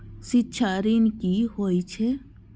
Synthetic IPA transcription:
sitːʃʰaɾinkihoːit͡ʃʰe

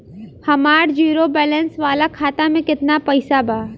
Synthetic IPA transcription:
hɐmaːɾd͡ʒiːɾobɛːlɛnsʋaːlakʰaːt̪amẽkɪt̪napɐɪsabʱaː

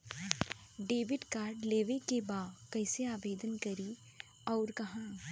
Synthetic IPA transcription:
ɖeːʋɪɖkaːɾɖleːʋekebaːkɛːɪseaːʋeːd̪ənkɐɾi | ɔːɾkɐɦãː

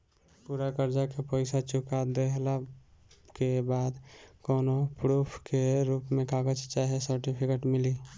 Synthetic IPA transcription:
puɾakəɾd͡ʒakepəɪsat͡ʃʊkad̪eɦla | kebad̪koːnopɾupʰkeɾupmẽkaɡət͡ʃt͡ʃaɦesəɾʈipʰikeʈmɪli

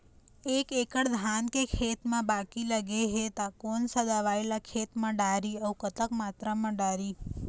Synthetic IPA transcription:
ekekəɽd̪ʱankekʰet̪mãbakiləɡeɦet̪akonsəd̪aʋaelakʰet̪mãɖaɾiəukət̪əkmat̪ɾəmãɖaɾi

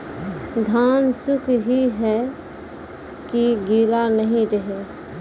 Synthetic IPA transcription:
d̪ʱaːnsʊkʰɦiɦɛ | kiɡiːlanəɦĩɾəɦe

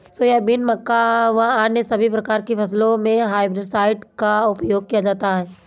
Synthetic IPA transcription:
sojɛbɪnmɐkːaʋɐɦaːnjəsɐbʱipɾɐkaːɾkepʰɐs̬lõmẽɦaːɪbɾesaːɪʈkaʊpjoːɡ̚kijad͡ʒaːt̪aɦɛː

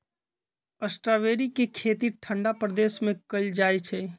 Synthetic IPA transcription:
əsʈɾaʋeːɾikekʰeːt̪iʈʰəɳɖapɾəd̪eːsmẽkəld͡ʒaːet͡ʃʰɛ

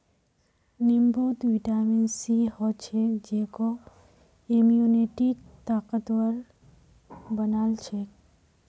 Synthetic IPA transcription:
nimbot̪ʋiʈamensihɔt͡ʃʰekd͡ʒekɔ | emiuneʈik̚t̪akət̪wəl | bənalt͡ʃʰek

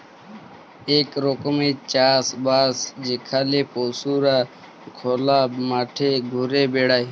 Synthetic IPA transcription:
eːkɾoːkəmeːt͡ʃaːsbaːsd͡ʒeːkʰaːleːpoːsuːɾaː | kʰoːlaːmaːʈʰeːɡʱʊɾeːbeːɽaːiː

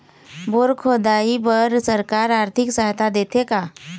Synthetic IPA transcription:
boːɾkʰod̪aːipəɾsəɾkaːɾaːɾt̪ʰɪksəɦt̪ʰad̪eːt̪ʰekaː

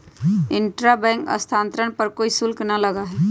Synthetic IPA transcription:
ɪ̃ɳʈɾabɛ̃ŋkə̰st̪ʰãːnt̪ɾəɳpəɾkoːisʊlknɐləɡaɦɛː

